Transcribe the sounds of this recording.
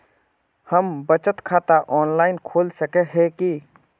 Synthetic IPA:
həmbət͡ʃət̪kʰaːt̪aʔɔːnlaːɪnkʰoːlsəkeɦɛki

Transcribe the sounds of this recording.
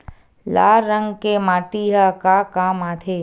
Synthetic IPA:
la̰ːɾːə̃ŋɡkemaːʈiɦɐkaːkaːmaːt̪ʰeː

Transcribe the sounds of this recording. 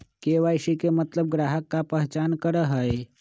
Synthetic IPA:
keːʋajʃikemət̪ləb̚ɡɾaːɦəkːapəɦt͡ʃaːnkəɾəɦəe

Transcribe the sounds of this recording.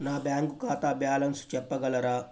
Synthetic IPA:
naːbjaːŋɡukaːt̪aːbjaːlɐnsu̥t͡ʃɛpːɐɡɐlɐɾaː

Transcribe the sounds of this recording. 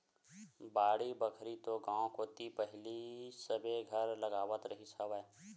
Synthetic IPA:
baːɽibəkʰɾit̪oɡãːwkoːt̪ipɛɦlisəbʱeɡʱɐɾlɐɡaːʋət̪ɾɐɦisəʋəː

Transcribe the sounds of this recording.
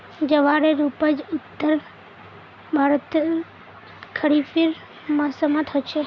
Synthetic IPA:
d͡ʒəʋaɾeɾupəd͡ʒʊt̪ːəɾ | bʱaɾət̪ | kʰəɾifʰiɾ | məsəmãt̪ʰəʃe

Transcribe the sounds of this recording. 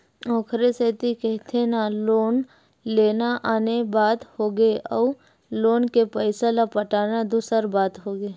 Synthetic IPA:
ɔːkʰɾeset̪ikɛɦt̪ʰenaloːn | leːnaʔaːnebaːt̪hoːɡeʔɔː | loːnkepəɪselapəʈaːnad̪usəɾbaːt̪ɦoːɡeː

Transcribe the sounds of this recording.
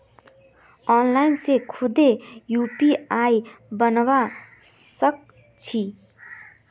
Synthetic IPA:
ɔːnlaːɪnsekʰʊd̪ejuːpiaːibənʋasək̚ | t͡ʃʰiː

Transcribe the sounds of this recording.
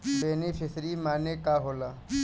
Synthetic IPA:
ʋeːnifʰɪsɾimaːnekaːɦoːlaː

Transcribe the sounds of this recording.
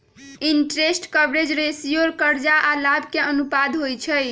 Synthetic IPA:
inʈɾesʈkəbɾed͡ʒɾesijoɾkəɾd͡ʒaʔalabkeənupad̪ɦojt͡ʃʰəj

